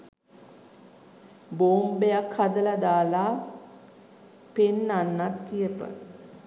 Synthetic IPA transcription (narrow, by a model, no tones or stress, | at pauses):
boːmbejakhad̪əlad̪aːlaː | penːanːat̪kijəpə̰